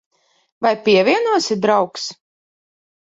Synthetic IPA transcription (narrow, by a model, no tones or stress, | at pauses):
vajpʲiɛvʲiɛnuɔsid̪ɾawks